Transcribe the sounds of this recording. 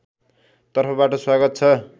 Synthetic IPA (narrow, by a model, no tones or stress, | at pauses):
t̪ʌrpʰʌbaʈʌswaɡʌt̪̚t͡sʰʌ